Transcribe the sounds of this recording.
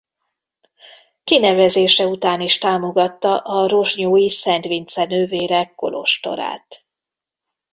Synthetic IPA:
kinɛvɛzeːʃɛut̪aːniʃt̪aːmo̞ɡɒt̪ːɒʔɒro̞ʒɲoːjisɛnt̪ʋint̪sɛnøːveːɾɛkːo̞̰lo̞̰ʃt̪o̞̰ɾa̰ːt̪

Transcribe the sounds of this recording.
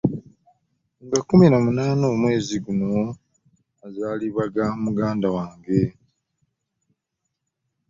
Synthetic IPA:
ŋɡakuminamunaːno̞ːmwe̞ːziɡuno̞ | azaːliβaɡamuɡaːndawaːŋɡe̞

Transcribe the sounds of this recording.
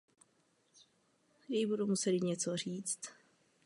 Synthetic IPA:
jɛjbudumusɛlɪɲɛt͡sor̝iːt͡st̪

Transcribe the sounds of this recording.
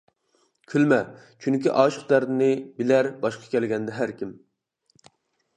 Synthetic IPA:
kʲʰylmɛ | t͡ʃʰyŋkʲiʔɑːʃəqd̪æɾd̪ɪnɪbɪlæɾbɑʃqʰɑ̥kʲʰɛlɡʲɛnd̪ɛɦæɾkʲim

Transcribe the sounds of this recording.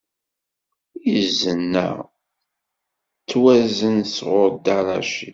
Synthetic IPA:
jəzənːæ̰ | t͡sːwæzənsʁʊɾd̪aɾɑ̰ʃḭ

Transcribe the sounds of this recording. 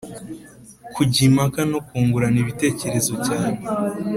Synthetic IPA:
kʰuɟimakano̞kuːŋɡuɾaniβite̞ːce̞ɾe̞zo̞caːne

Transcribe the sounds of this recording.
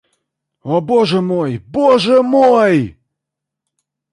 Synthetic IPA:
oboʐəmojboʐəmoj

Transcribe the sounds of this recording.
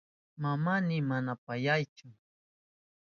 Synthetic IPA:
mamanɪmanapajajt͡ʃʊ

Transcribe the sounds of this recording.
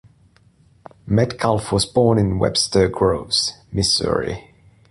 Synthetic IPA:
mɛdkʰalˠfwɔzbɔːnɪ̃nwɛ̰b̥stʰə˞ɡɹoʊvz̥mɪsə̰ɹḭ

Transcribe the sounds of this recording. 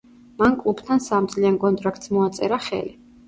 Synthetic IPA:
mankʼlˠupʰt̪ʰansamd̪sʼliankʼɔnt̪ʼɾak̚ʰt̪smɔat̪sʼɛɾaχɛ̰li

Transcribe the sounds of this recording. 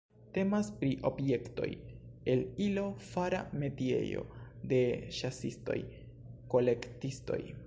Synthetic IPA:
te̞maspɾiʔo̞bje̞kto̞̰je̞lilo̞faɾa̰me̞tie̞̰jo̞̰de̞ʃasisto̞̰j | ko̞le̞ktisto̞̰j

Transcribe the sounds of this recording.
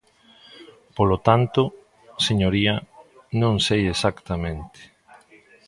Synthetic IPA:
polot̪ant̪ʊ | seɲoɾiɐnõŋsejesakt̪amẽnt̪ɪ̥

